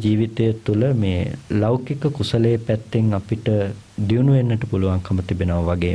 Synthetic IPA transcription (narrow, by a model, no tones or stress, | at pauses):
d͡ʒiːʋit̪ejət̪uləmeːlaukikəkusəlejːpæt̪ːeŋapiʈə | d̪iunuʋenːəʈəpuluʋaŋkʰəmət̪ibenəʋɐʋaɡeː